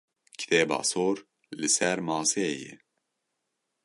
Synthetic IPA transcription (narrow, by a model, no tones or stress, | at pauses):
kʰi̥t̪ʰeːbɑ̰ːsoːɾ | lɨsɛɾmɑːsejɛ̰